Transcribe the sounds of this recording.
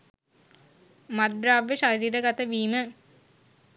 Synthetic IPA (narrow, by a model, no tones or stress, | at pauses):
mad̪ɾaːʋːeʃaɾiːɾəɡat̪əʋiːmə